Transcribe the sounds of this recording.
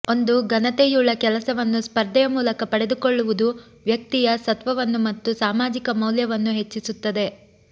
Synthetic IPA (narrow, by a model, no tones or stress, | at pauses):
o̞nd̪uɡɐnɐt̪ejuːɭɐkɛlɐsɐʋɐnːuspɐɾd̪ɐjɐmuːlɐkɐpɐɽe̞d̪ukoɭːuʋud̪u | ʋjɐk̚t̪ijɐsɐt̪ʋɐʋɐnːumɐt̪ːusaːmaːd͡ʒikɐmɐwljɐʋɐnːuɦe̞t͡ʃːisut̪ːɐd̪e̞